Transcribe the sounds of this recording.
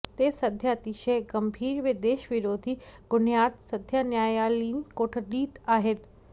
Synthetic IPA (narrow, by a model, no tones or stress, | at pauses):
t̪esɐd̪ʱjəɐt̪iʃəjɡɐmbʱiːɾʋed̪eːʃʋɪɾoːd̪ʱiɡʊnjaːt̪sɐd̪ʱjənjaːjaːliːnkoːʈʰəɗiːt̪aːɦet̪